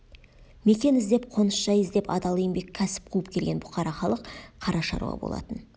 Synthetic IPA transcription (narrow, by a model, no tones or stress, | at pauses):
me̞kʲe̞nɪzd̪e̞p̚qʰo̞nəsʃɑjɪzd̪e̞pɑ̰d̪ɑlˠijɪmbe̞kʲʰːæsɪ̥p̚qʰuəpkʲʰe̞lɡʲe̞nbʊqɑɾɑχɑlˠəqqʰːɑɾɑʃɑ̰ɾṵɑ̰bo̞̰lˠɑ̰t̪ən